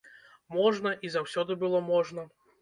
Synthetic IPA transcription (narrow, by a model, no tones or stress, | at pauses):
mɔʐnɐʔizawsʲɔd̪ɨbɨlˠɔmɔʐnɐ